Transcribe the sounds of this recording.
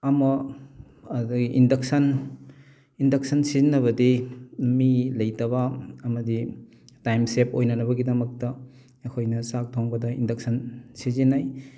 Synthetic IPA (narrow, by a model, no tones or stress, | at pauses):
ɐmɐ | ɐduɡiʔindɐk̚sɐn | indɐk̚sɐnsizinːɐβɐdimilɐjtɐβɐːmɐdi | tajmsep̚ojnɐnɐbɐɡidɐmɐk̚tɐ | ɐkʰojnɐsak̚tʰoŋbɐdɐindɐk̚sɐnsizinaj